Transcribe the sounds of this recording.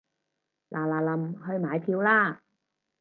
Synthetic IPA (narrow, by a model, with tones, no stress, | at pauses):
lʔaː˨˩laː˨lɐ˨˩mhɵ˧ɥmaː˨˩jpʰiː˧wlaː˧˥